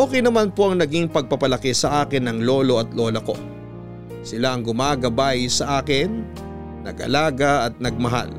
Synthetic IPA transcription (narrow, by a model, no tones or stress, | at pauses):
ʔoːkɛjnɐmanpo̞ʔɐŋnɐɡiŋpɐɡ̚pɐpɐlɐkɛsɐʔaːkɪnːɐŋlo̞ːlo̞ʔɐt̪lo̞ːlɐko̞̰ | sɪlaʔɐŋɡʊmaːɡɐbajsɐʔaːkɪnː | ɐ̰ɡʔɐ̰laːɡɐɐt̪̚nɐɡ̚mɐɦa̰l